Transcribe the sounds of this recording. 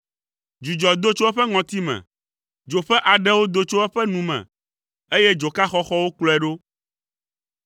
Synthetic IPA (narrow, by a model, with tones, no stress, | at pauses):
d͡ʒu˨d͡ʒɔ˨d̪o˦t͡ʃo˦ɛ˦ɸɛ˦ŋɔ̃˨t̪i˦mɛ̰̃˨ | d͡ʒo˨ɸɛ˦ʔa˨ɖɛ˦wo˦d̪o˦t͡ʃo˦ɛ˦ɸɛ˦nũ˨mɛ̰̃˨ | e˦jɛ˦d͡ʒo˨ka˦xɔ˦xɔ˦wo˦klɔ˦ɛ˨ɖo˦